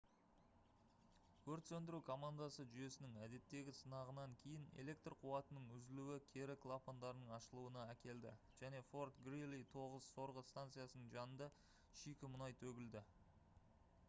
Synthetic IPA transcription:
kʲʰɵɾt̪sɵnd̪ɪɾukʰo̞mand̪asəʒʏje̞sɪnɪŋæd̪e̞t̪ːe̞ɡʲɪsənɑʁənɑŋkʲʰe̞jɪne̞̰le̞k̚t̪rqʰʊwɑt̪ənəɴʏzɪluwɪkʲʰe̞ɾɪkʰlˠapond̪ɑɾənəɴɑʃəlˠuənɑækʲe̞ld̪ɪ̰ | ʒ̥æne̞fo̞rt̪ɡrilːit̪ʰo̞ʁəz̥so̞ɾʁəst̪ant̪sɨjasənəɴʒɑnənd̪ɑ | ʃijkʲɪmʊnɑjt̪ʰɵɡʲɪld̪ɪ

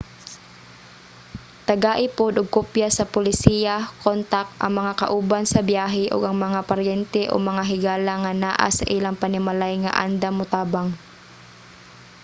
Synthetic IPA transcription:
t̪ɐɡaʔipod̪ʊɡ̚kopjasɐpʊlɪsiːjakont̪akʔɐ̰ŋmɐŋaka̰ʔuːbansɐbjaːɦɪʔʊ̰ɡɐŋmɐŋapaɾjɛnt̪ɛʔo̰mɐŋaɦɪɡaːlaŋanaːʔa̰sa̰ʔilaŋpanɪmalajŋa̰ʔa̰nd̪amʊt̪aːbaŋ

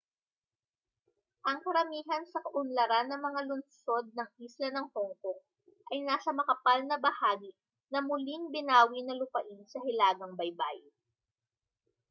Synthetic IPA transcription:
ʔɐŋkɐɾɐmiːɦɐnsɐkɐʔʊnlɐɾanːɐŋmɐŋalʊnso̞d̪̚nɐŋʔiːslɐnɐŋhoŋko̞ | ʔɐjnaːsɐmɐkɐpalnɐbɐhaːɡi | nɐmʊliŋbɪnaːwinɐlʊpɐʔinsɐɦɪlaːɡɐŋbɐjba̰j

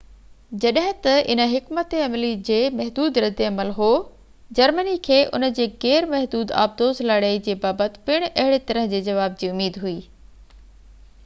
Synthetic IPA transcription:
d͡ʑɐɗɦɪ̃t̪ɐɪ̰nə̆ɦɪkmət̪eɐmlid͡ʑeːmɐɦd̪uːd̪ɾɐd̪eɐməlɦoː | d͡ʑɐɾmənikʰeːʔʊ̰nə̆d͡ʑeːɣɛːɾmɐɦd̪uːd̪a̰ːb̚d̪oːzlaːɽeid͡ʑeːbaːbət̪ɪ̥̆pɪɽ̃ʔɐɦɪɽet̪ɐɾəɦd͡ʑeːd͡ʑɐʋaːb̚d͡ʑiːʊmiːd̪ɦuiː

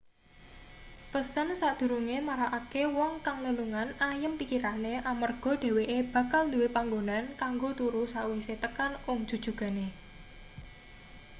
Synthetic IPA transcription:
pəsənsad̪̥ṳɾuŋemaɾaʔakewɔŋkaŋləluŋanajəmpikiɾaneʔamərɡ̥ɔ̤d̪̥e̤weʔeb̥a̤kald̪uwepaŋɡonankaŋɡot̪uɾusaʔwiset̪əkanʊŋd̥ʒ̥ṳd̥ʒ̥ṳɡ̥a̤ne

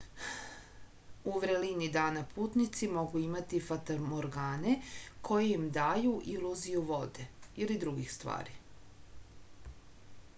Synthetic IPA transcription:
uʋɾelinid̪aːnapʰuːt̪nit̪simo̞ɡuimat̪ifat̪omoɾɡaːne̞kʰo̞jeimd̪aːjuʔilˠuzijuʋo̞d̪e̞ilid̪ɾuɡixst̪ʋa̰ːɾi

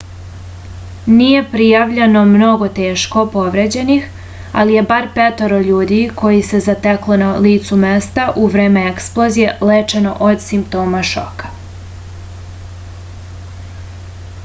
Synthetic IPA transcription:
nije̞pɾijaʋʎe̞no̞mno̞ɡo̞t̪eːʃko̞po̞ʋɾe̞ːd͡ʑe̞nix | a̰lije̞baɾpet̪oɾoʎuːd̪ikʰo̞jise̞zat̪eklonaliːt̪sume̞st̪aʔuʋɾe̞ːmeeksplˠo̞zije̞let͡ʃe̞no̞̰ʔod̪simpt̪o̞ːmaʃo̰kḁ

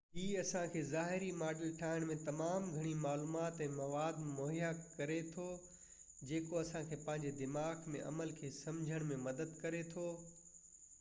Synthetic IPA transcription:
ɦiːɐsãkʰeːzaːɦɪɾimaːɖɪlʈʰaːɦɪɽ̃mẽt̪ɐmaːmɡʱɐɽ̃imaːluːmaːt̪ɛ̃ːmɐʋaːd̪moːɦjakɐɾet̪ʰoː | d͡ʑeːkoɐsãkʰeːpɐ̃ɦɪ̃ɲd͡ʑed̪ɪmaːɡmḛ̃ʔɐ̰məlkʰeːsɐ̃md͡ʑʱəɽ̃mẽmɐd̪əd̪kɐɾet̪ʰoː

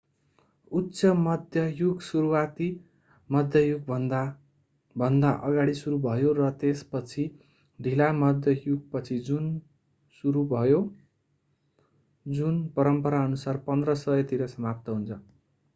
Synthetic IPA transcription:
ut̪ːsʌmʌd̪ʱjʌjuɡsuɾuwat̪i | mʌd̪ʱjʌjuɡ̪ʱ | bʱʌnd̪aʔʌɡaɽisuɾubʱʌjorʌt̪espʌt͡sʰi | d̪ʱilamʌd̪ʱjʌjuɡ̚pʌt͡sʰid͡zun | suɾubʱʌjo | d͡zunpʌɾʌmpʌɾaʌnusarpʌnd̪rʌsʌjʌt̪iɾʌsʌmap̚t̪ʌɦunt͡sʰʌ

